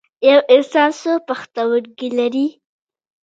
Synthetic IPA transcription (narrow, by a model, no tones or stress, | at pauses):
jawɪnsɑnsopaxt̪awəɾɡilaɾi